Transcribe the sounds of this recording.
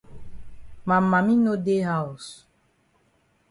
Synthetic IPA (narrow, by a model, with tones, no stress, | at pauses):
mã˨mːa˨mĩ˦no˦de˦ɦa˦˨u˨s